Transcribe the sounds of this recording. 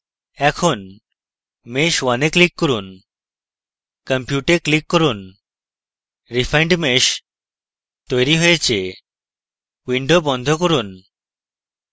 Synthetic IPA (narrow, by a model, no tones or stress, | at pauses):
ɛkʰon | meʃwaneklikːoɾun | kəmpjuʈeklikːoɾun | ɾifʰajɳɖmeʃ | t̪ojɾiɦojet͡ɕʰe | wiɳɖobɔnd̪ʱokoɾun